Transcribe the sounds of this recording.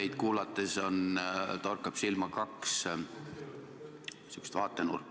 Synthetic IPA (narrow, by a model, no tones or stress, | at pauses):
ejd̪̚kuːlɑt̪ˑːeso̞nt̪orkːˑɑb̥silmɑkɑks | sykːst̪vɑːt̪ːˑenṵrkː